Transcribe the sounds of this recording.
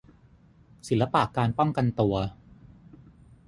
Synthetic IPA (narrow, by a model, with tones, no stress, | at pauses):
si˨˩˦lːa˦˥paː˨˩kːaː˧npɔ˥˩ŋka˧nt̪u˧ɐ